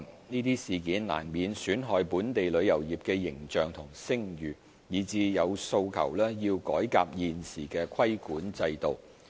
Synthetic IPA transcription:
niː˥t̪iː˥siː˨kiː˨˥nla̰ː˨˩nmiː˨nsyː˨˥nɦɔː˨˧jpuː˨˥nt̪e˨jlɵ˨˧ɥjɐ˨˩wjiː˨p̚kɛ˧jɪ˨˩ŋt͡ʃœː˨˩ŋt̪ʰʊ˨˩ŋsɪ˥ŋjyː˨ | jiː˨˩t͡siː˧jɐ˨˧wso˧wkʰɐ̰˨˩wlɛː˥jiː˧wkɔː˨˥jka̰ː˧p̚jiː˨nsiː˨˩kɛː˧kʷʰɐ˥jkuː˨˥nt͡sɐ˧jt̪o˨w

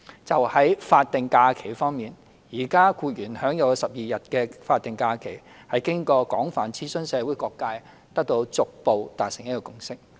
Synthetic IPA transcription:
t͡sɐ˨whɐ˨˥jfaː˧t̚t̪ɪ˨ŋkaː˧kʰe˨˩jfɔː˥ŋmiː˨˩n | jiː˨˩kaː˥kuː˧t̚jyː˨˩nhœː˨˥ŋjɐ˨˧wkɔ˧sɐ˨p̚jiː˨jɐ˨t̚kɛ˧faː˧t̪̚ɪ˨ŋkaː˧kʰe˨˩j | hɐ˨jkɪ˥ŋkɔː˧kɔː˨˥ŋfaː˨˩nt͡sʰiː˥sɵ˥nsɛː˨˧wuː˨˥jkɔː˧kːaː˧j | t̪ɐ˥k̚t̪o˧wt͡sʊ˨k̚po˨wt̪aː˨k̚sɪ˨˩ŋjɐ˥t̚kɔː˧kʊ˧˥ŋsɪ˥k̚

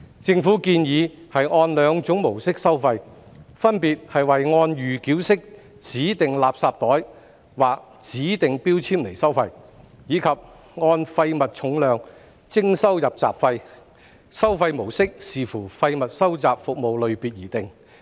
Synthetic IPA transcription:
t͡sɪ˧ŋfuː˨˥kiː˧njiː˨˧hɐ˨jŋɔː˧nlœː˨˧ŋt͡sʊ˨˥ŋmo˨˩wsɪ˥k̚sɐ˥wfɐ˧j | fɐ˥npiː˨t̚hɐ˨jwɐ˨jŋɔː˧njyː˨kiː˨˥wsɪ˥k̚ | t͡siː˨˥t̪ɪ˨ŋlaː˨p̚saː˧p̚t̪ɔː˨˥j | waː˨k̚ | t͡siː˨˥t̪ɪ˨ŋpiː˥wt͡sʰiː˥mle˨˩jsɐ˥wfɐ˧j | jiː˨˧kʰɐ˨p̚ | ŋɔː˧nfɐ˧jmɐ˨t̚t͡sʰʊ˨˥ŋlœː˨˧ŋ | t͡sɪ˥ŋsɐ˥wjɐ˨p̚t͡sa̰ː˨˩p̚fɐ˧j | sɐ˥wfɐ˧jmo˨˩wsɪ˥k̚siː˨˩fuː˨˩fɐ˧jmɐ˨t̚sɐ˥wt͡saː˨p̚fʊ˨k̚mo˨wlɵ˨˧ɥpiː˨t̚jiː˨˩t̪ɪ˨ŋ

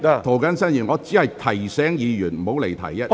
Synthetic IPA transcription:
t̪ʰo˨˩wkɐ˨˥nsɐ˥njiː˨˩nŋɔː˨˧t͡siː˨˥hɐ˨jt̪ʰɐ˨˩jsɛː˨˥ŋjiː˨˧jyː˨˩nm̩˨˩ho˨˥wle˨˩jt̪ʰɐ̰˨˩jɐ˦˥t̚

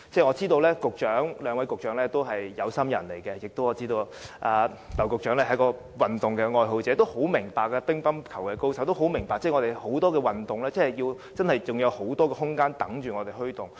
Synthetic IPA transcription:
t͡sɛː˥˩ŋɔː˨˧t͡siː˥t̪o˧wlɛː˥kʊ˨k̚t͡ʃœː˨˥ŋlœː˨˧ŋwɐ˨˥jkʊ˨k̚t͡ʃœː˨˥ŋlɛː˥t̪o˥wɦɐ˨jjɐ˨˧wsɐ˥mjɐ̰˨˩nle˨˩jkɛ˧jɪ˨k̚t̪o˥wɔː˨˧t͡siː˥t̪o˧w | ʔaː˨ | lɐ˨˩wkʊ˨k̚t͡ʃœː˨˥ŋlɛː˥hɐ˨˥jkɔː˧ | wɐ˨˩nt̪ʊ˨˩ŋkɛː˧ŋɔː˧jɦo˨˧wt͡sɛː˨˦˥t̪o˥who˨˥wmɪ˨˩ŋpaː˨kːɛ˧pɪ˥ŋpɐ˥nkʰɐ˨˩wkɛː˧kwsɐ˨˥wt̪o˥wɦo˨˥wmɪ˨˩ŋpaː˨k̚t͡sɛː˥˩ŋɔː˨˧t̪e˨˩ho˨˥wt̪ɔː˥kɛː˧wɐ˨nt̪ʊ˨ŋlɛː˥t͡sɛː˥˨˩jiː˧w | t͡sɐ˥nhɐ˨jt͡sʊ˨ŋjɐ˨˧who˨˥wt̪ɔː˥kɛː˧hʊ˥ŋkaː˥nt̪ɐ˨˥ŋt͡ʃyː˨˩ŋɔː˨˧t̪e˨˩jɦɵ˥ɥt̪ʊ˨˩ŋ

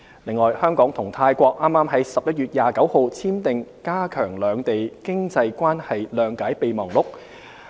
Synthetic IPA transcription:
lɪ˨ŋːɔː˨jhœː˥ŋkɔː˨˥ŋt̪ʰʊ˨˩ŋt̪ʰaː˧jkʷɔː˧k̚ʔaː˥mːaː˥mɦɐ˨˥jsɐ˨p̚jɐ˥t̚ɥyː˨t̚jaː˨˩kɐ˨˥who˨wt͡sʰiː˥mt̪ɪ˨ŋkaː˥kʰœː˨˩ŋlœː˨˧ŋt̪e˨jkɪ˥ŋt͡sɐ˧jkʷwaː˥nhɐ˨jlœː˨˧ŋkaː˨˥jpe˨˧jmɔː˨˩ŋlʊ˨˥k̚

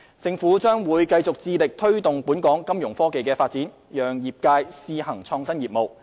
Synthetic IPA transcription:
t͡sɪ˧ŋfuː˨˥t͡ʃœː˥ŋwuː˨˧jkɐ˧jt͡sʊ˨k̚t͡siː˧lɪ˨k̚t̪ʰɵ˥ɥt̪ʊ˨ŋpuː˨˥nkɔː˨˥ŋkɐ˥mjʊ˨˩ŋfɔː˥ke˨jkɛː˧faː˧t̚t͡siː˨˥n | jœː˨˩ŋjiː˨p̚kaː˧jsiː˧hɐ˨˩ŋt͡ʃʰɔː˧ŋsɐ˥njiː˨p̚mo˨˩w

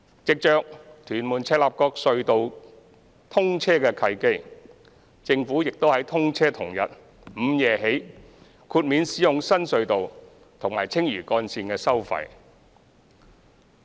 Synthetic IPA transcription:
t͡sɪ˨k̚t͡ʃœː˧k̚t̪ʰyː˨˩nmuː˨˩nt͡sʰɛː˧˥laː˨p̚kɔː˧k̚sɵ˧ɥt̪o˨w | t̪ʰʊ˥ŋt͡sʰɛː˥kɛː˧kʰɐ˧jke˥j | t͡sɪ˧ŋfuː˨˥jɪ˨k̚t̪o˥whɐ˨˥jt̪ʰʊ˥ŋt͡sʰɛː˥t̪ʰʊ˨˩ŋjɐ̰˨t̚ | m̩˨˧jɛː˨ɦe˨˥j | kʰuː˧t̚miː˨˧nsiː˨˥jʊ˨ŋsɐ˥nsɵ˧ɥt̪o˨w | t̪ʰʊ˨˩ŋmaː˨˩jt͡sʰɪ˥ŋjyː˨˩kɔː˧nsiː˧nkɛː˧sɐ˥wfɐ̰˨˩j

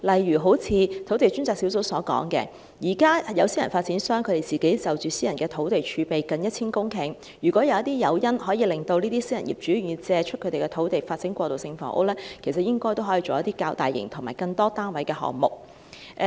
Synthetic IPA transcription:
lɐ˨jɥyː˨˩ɦo˨˥wt͡sʰiː˧t̪ʰo˨˥wt̪e˨jt͡ʃy˥nt͡saː˨k̚si˨˥ws̬o˨˥wsɔː˨˥kɔ̰ː˨˥ŋkɛ̰ː˧ | jiː˨˩kaː˥jɐ˨˧wsiː˥jɐ˨˩nfaː˧t̚t͡siː˨˥nsœː˥ŋkʰɵ˨˧ɾe˨˩jt͡siː˨˩ke˨˥jt͡sɐ˨˩wt͡ʃyː˨siː˥jɐ˨˩nkɛː˧t̪ʰo˨˥wt̪e˨jt͡ʃʰyː˨˧pe˨jkɐ˨˧njɐ˥t̚t͡sʰiː˥nkʊ˥ŋkʰɪ˨˩ŋ | jyː˨˩kʷɔː˨˥jɐ˨˧wjɐ˥t̪iː˥jɐ˨˧wjɐ˥nhɔː˨˥jiː˨˧lɪ˨˩ŋt̪o˧wniː˥t̪iː˥siː˥jɐ˨˩njḭ˨˩p̚t͡ʃyː˨˥˨yː˨˧t͡sɛː˧t͡ʃʰɵ˥t̚kʰɵ˨˧t̪e˨jkɛ˧t̪ʰo˨˥wt̪e˨jfaː˧t̚sɪ˨˥ŋkʷɔː˧t̪o˨wsɪ˧ŋfɔ̰ː˨˥ʔo̰˥lɛː˥kʰe˨˩sɐ˨t̚jɪ˥ŋkɔː˥jt̪o˥whɦːji˧t͡ʃo˨wjɐ˥t̪iː˥kaː˧wt̪aː˨˩jːɪ̰˨˩ŋt̪ʰŋmaː˨˩jkɐ˧ŋt̪ɔː˥t̪aː˥nwɐ˨˥jkɛː˧ɦɔ̰ː˨ŋ̚mʊ˨˩k̚

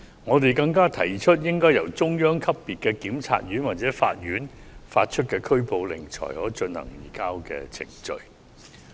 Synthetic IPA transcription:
ŋɔː˨˧t̪e˨jkɐ˧ŋkaː˥t̪ʰɐ˨˩jt͡ʃʰɵ˥t̚jɪ˥ŋkɔː˥jɐ˨˩wt͡sʊ˥ŋjœː˥ŋkʰɐ˥pːiː˨t̚kɛː˧kiː˨˥mt͡sʰa̰ː˧t̚ɥyː˨˥nwaː˨˩t̚t͡sɛː˨˥fa̰ː˧t̚jyː˨˥nfaː˧t̚t͡ʃʰɵ˥t̚kɛː˧kʰɵ˥ɥpo˧wlɪ˨˩ŋt͡ʃʰɔ̰ː˨˩jɔː˨˥t͡ʃɵ˧nhɐ̰˨˩ŋjḭː˨˩kaː˥wkɛ̰ː˧t͡sʰɪ̰˨˩ŋt͡ʃɵ̰˧ɥ

